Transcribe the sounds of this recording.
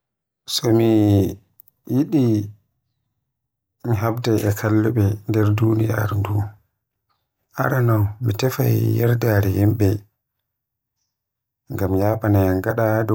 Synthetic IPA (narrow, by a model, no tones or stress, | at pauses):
sɔmi | jiɗi | miɦabdɛʔɛkʰalːuɓɛndɛɾduːnija̰ɾdu | ʔa̰ɾanawmitɛfajjɛɾdaɾɛhimɓɛ | ŋɡamjaːɓanaŋɡaɗadɔ